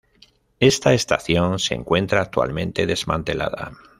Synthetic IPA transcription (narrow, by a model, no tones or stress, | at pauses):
e̞st̪ae̞st̪aθjo̞nsḛŋkwe̞nt̪ɾaːk̚t̪ua̰lmẽ̞nt̪e̞ðe̞zmãnt̪e̞la̰ða̰